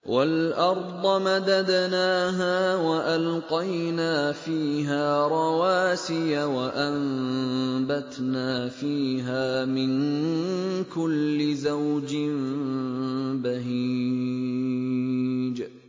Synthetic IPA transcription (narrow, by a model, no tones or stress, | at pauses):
wʔalʔɑɾˤd̪ˤɑmad̪ad̪naːɦaːwaʔalqɑjnaːfiːɦaːɾˤɑwaːsɪjawaʔam | bat̪naːfiːɦaːmɪn | kʊlːɪzawd͡ʒɪm | baɦiː | d͡ʒ